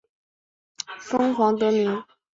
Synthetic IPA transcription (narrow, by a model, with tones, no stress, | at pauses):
fɤ˥ŋxwɑ˧˥ŋt̪̬ɤ˧˥mi˧˥ŋ